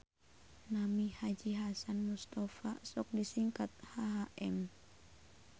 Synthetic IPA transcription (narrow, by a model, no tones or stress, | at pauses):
namihad͡ʒiɦasanmust̪afasɔk̚disiŋkat̪̚haɦaʔɛm